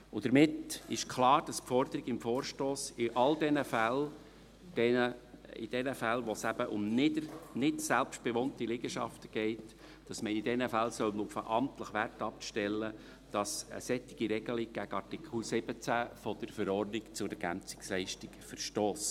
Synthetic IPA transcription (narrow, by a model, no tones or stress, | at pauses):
ʊd̥əɾmɪtɪʃkʰlɑːɾd̥ɑspfɔɾd̪əɾɪɡɪmfoːɾʃtoːsɪʔɑldɛnəfæl | d̥ɛnəɪ̰d̥ɛnəfælʋosæb̥əʔʊmnɪdənɪtsælpʃt̚b̥eʋɔnt̪ilɪɡ̥əʃɑ̰ft̪əɡ̥ɛɪt | d̥ɑsməɪd̥ɛnəfælsœlnufə̰ʔɑmtləχʋærtɑp̚ʃtɛlːə | d̥ɑsə̰sɛt̪ːɪɡ̥iɾɛɡ̥əliɡ̥æɡəɑrtikʰusɪb̥ət͡sæfɔd̥̪əɾfəɾɔrnɪkt͡sʊdəɾɡ̥æ̰mt͡sɪ̥kslɛɪʃtɪkfəɾʃtoːs